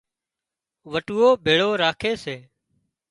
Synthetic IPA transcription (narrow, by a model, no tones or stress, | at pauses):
ʋəʈuːoːbʱeːɭoːɾaːkʰeːseː